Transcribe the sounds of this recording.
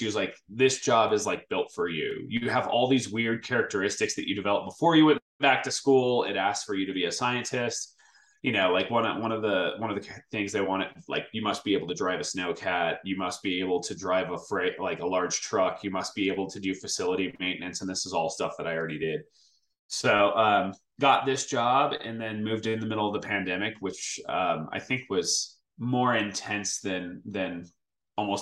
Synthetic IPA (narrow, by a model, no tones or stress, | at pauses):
ʃiwʌzlaɪk̚ðɪsd̥ʒ̥ɑbɨzlaɪk̚b̥ɪlˠtfə˞jʉ̰jɨəvɔ̰lˠðizwɪɹd̚kʰɛɹɨk̚tə˞ɪstɨksðɨ̰t͡ʃɨdɨvɛlˠəp̚b̥əfɔɹjɨwɨ̃n | b̥æk̚tʰɨskulˠɪ̰ɾæsksfə˞jɨɾɨbiɨsaɪɨ̃ntʰɪst | jɨnoʊlaɪkwʌ̃nʌ̰wʌ̃nʌvðəwʌ̃nʌvðɨθɪ̃ŋzðeɪwɑ̃ɾ̃ɨtla̰ɪkjɨmʌst̚b̥ieɪbl̩ˠtʰɨdɹaɪvɨsnoʊkʰæt̚jɨmʌst̚b̥ieɪbl̩ˠtʰɨdɹaɪvəfɹeɪʔlaɪkəlɑɹd̥ʒ̥tʰɹ̥ʌkʰjɨmʌst̚b̥ieɪbl̩ˠtʰɨdɨfɨsɪlˠəɾimẽɪ̃nɨ̃ntsn̩ðɪsəzɔlˠstʌfðəɾaɪl̩ˠɹɛɾidɪd̥̚ | soʊʔʌ̃m | ɡ̥ɑt̪̚ðɪsd̥ʒ̥ɑbɨ̰̃nðɨ̃nmʉvdɨ̃nðɨmɪɾl̩ˠʌvðəpʰæ̃ndɛmɨkwɨt͡ʃʌ̰̃ma̰ɪθɪ̃ŋkwʌz̥ | mɔɹɪ̃ntʰɛ̃nsðɨ̃nðɨ̃n | ɔlˠmoʊs